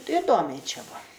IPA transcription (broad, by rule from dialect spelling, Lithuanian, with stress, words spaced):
ɪˈdoːmʲɛɪ ˈt͡ʃʲɛ ˈbʊɐ